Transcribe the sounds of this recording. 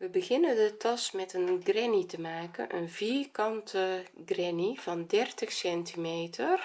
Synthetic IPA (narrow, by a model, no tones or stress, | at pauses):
ʋəbəɣɪnəndətɑsmɛtənɡrɛnitəmaːkə̰nʔə̰nviːkɑntəɡrɛniv̥ɑndɛrtəxsɛntʰimeːtʰər